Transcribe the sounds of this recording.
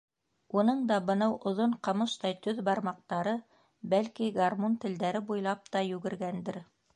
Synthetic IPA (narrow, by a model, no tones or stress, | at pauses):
unɤɴd̪ɑbɤ̆nɑwʔŏðoɴqɑ̆mɤʃt̪ɑjt̪ɵðbɑɾmɑq̚t̪ɑɾɤ | bælkiɡarmont̪ɘ̆ld̪æɾɘbujlˠɑp̚t̪ɑjʉɡɘ̆ɾɡænd̪ɘɾ